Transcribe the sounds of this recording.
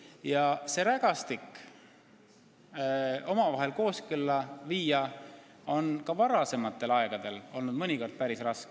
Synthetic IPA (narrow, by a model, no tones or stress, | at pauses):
jɑse̞ɾæɡ̥ɑst̪ikː | o̞mɑvɑɦe̞lko̞ːskylːɑviːjɑ | o̞nkɑvɑɾɑse̞mɑt̪ːˑe̞lɑeɡ̥ɑd̪̥e̞lo̞lnud̪mɤniko̞rd̪̥̚pæɾisrɑske